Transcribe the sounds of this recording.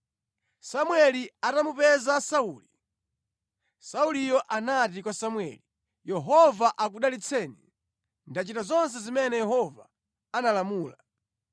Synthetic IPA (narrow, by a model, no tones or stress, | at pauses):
samwɛliatamupɛzasauːli | saulijɔʔanatikwasamwɛ̰ːli | jɛɦɔvaʔak̬uɗalit͡sʰɛːnḭ | ndat͡ʃitazɔns̬ɛzimɛnɛjɛɦɔva | analamuːla